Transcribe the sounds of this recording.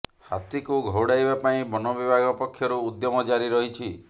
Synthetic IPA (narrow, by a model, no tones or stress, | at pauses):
ha̰t̪ikuɡʱɔwɽajbapaĩbɔnɔbibʱaɡɔpɔkʰːjɔɾuːd̪jɔmɔd͡ʒaɾiɾɔɦit͡ʃʰi